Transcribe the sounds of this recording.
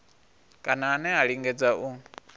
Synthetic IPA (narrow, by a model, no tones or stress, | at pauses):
kʼanaːnɛaɺiŋɡɛd͡zaʔu